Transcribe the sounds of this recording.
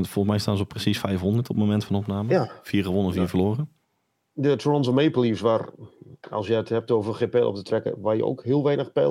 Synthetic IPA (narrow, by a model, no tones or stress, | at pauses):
fɔlˠxsmɛjstaːnzoprəsisfɛjfhɔndəɹtʰɔpmomɛntfɔnɔpnaːməfiərɣəʋɔnənfiːəvərloːrə | dətʰɹɔnzəmeːpəlˠisʋarɔ̰lˠsjəəthɛp̚towvərxeːpeːlˠɔ̰ptətrɛkə̰ʋarjə̰o̰khiəlˠʋɛjnəxpḛ